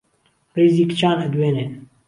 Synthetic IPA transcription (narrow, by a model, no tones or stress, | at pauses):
reːziːkt͡ʃaːnɛd̪weːneː